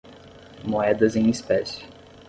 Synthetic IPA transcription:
moɛd̪ɐzẽj̃ispɛsɪ̥

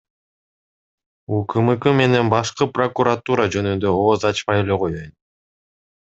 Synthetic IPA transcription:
ukʰɯmɯkɯme̞ne̞nbɑʃqɯpro̞kuɾat̪uɾad͡ʒø̞nynd̪ø̞oːzɑt͡ʃmɑjele̞qojoj̪

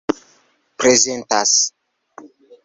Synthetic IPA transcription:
pɾezentas

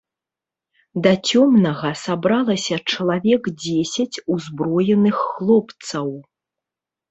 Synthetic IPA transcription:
d̪ɐt͡sʲɔmnɐɣɐsabɾalˠɐsʲɐt͡ʂɐlˠavʲɛkd͡zʲesʲɐt͡sʲuzbɾɔjɛnɨxːlˠɔpt̪sɐw

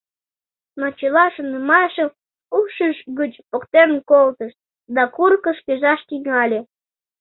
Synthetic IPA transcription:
not͡ɕelɑʃənəmɑʃəm | uʃəʃɣət͡ɕpokt̪enkolt̪əʃt̪̚ | d̪ɑkurkə̆ʃkʲeʒɑʃt̪iŋɑlʲe

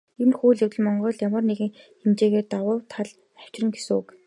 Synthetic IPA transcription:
emxuːɮewɘ̆ɮmɔɴɢɞːɮjamə̆rneɣɘ̆ŋ | xemt͡ɕeːɣeːrt̪awʊːwt̪ʰaɮ | æw̥t͡ɕrə̆ŋɡesɘ̆ŋuk

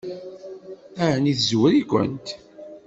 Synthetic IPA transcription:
æɾniθzwɾikʷə̰nt̪

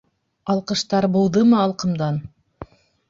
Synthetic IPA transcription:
ɑlˠqɤ̆ʃt̪ɑɾbuw̪ˠðɤmɤɑlˠqɤ̆md̪ɑn

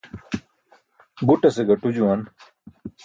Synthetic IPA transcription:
buʈɐseɡɐʈud͡ʑuwɐn

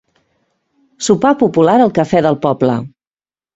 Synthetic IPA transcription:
supapupulaɾəlˠkəfɛðəlˠpɔblə̰

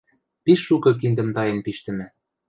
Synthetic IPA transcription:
piʃːukɤ̆k̬ind̪ɘ̆mt̪ɑjĕnpiʃt̪ɘ̆mɘ̆

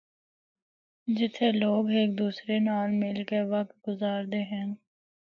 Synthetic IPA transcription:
d͡ʒɪt̪ʰːeloːɡeːk̚d̪uːsɾenaːlmɪlkeʋək̚t̪̚ɡʊzaːɾd̪eːɦɛ̃n

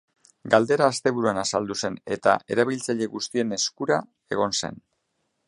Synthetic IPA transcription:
ɡald̪e̞ɾaːst̪e̞β̞uɾuanasald̪use̞ne̞t̪a̰ʔe̞ɾaβ̞ilt͡saʎe̞ɣust̪ie̞ne̞skuɾa | e̞ɣ̞o̞nse̞̰n

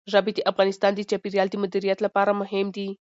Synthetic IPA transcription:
ʒɑbɪd̪əʔafɣɑnɪst̪ɑnd̪ət͡ʃɑpiɾjɑld̪əmʊd̪iɾijat̪lapɑɾamʊɦɪmd̪i

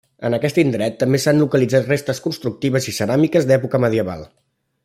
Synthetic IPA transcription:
ə̰nəkɛst̪ind̪ɾɛt̪ːəmbesanlukəlid͡zat̪rest̪əskunst̪ɾuk̚t̪iβ̞əzisəɾamikəzd̪ɛpukəməð̞iəβa̰lˠ

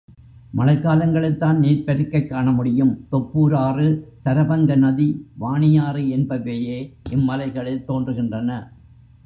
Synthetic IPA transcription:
mɐlɐkːaːlɐŋɡɐɭɪt̪ːaːnneːɾpɐɾɯkːɐɪkːaːɳɐmʊɽɪjɯmt̪ɔpːuːɾaːrɯt̪ɐɾɐbɐŋɡɐnɐðiʋaːɳɪjaːɾɯɛnbɐʋeːjeːʔɪmːɐlɐɪɣɐɭɪt̪ːoːndrɯɣɪndrɐnɐ

